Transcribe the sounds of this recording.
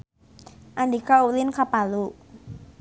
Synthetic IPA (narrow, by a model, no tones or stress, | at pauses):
ʔandikaulɪnkapalu